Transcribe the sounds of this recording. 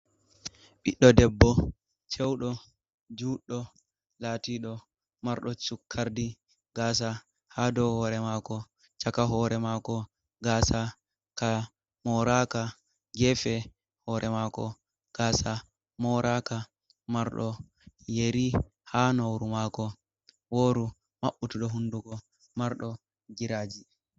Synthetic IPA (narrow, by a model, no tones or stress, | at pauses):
ɓiɗːɔdɛbːɔ | t͡ʃɛwɗɔ | d͡ʒuɗːɔ | latiɗɔ | maɾɗɔt͡ʃukʰːaɾdi | ɡas̬a | hadɔhɔɾɛmaːkɔ | t͡ʃakaɦɔɾɛmakɔ | ɡasa | ka | mɔɾaka | ɡɛfɛ | hɔɾʔɛmakɔ | ɡ̥asa | mɔɾʔaka | maɾɗɔ | jeɾi | hanowɾumaːkɔ | woɾu | maɓːutuɗɔɦunduɡɔ | maɾɗɔ | ɡiɾaːd͡ʒi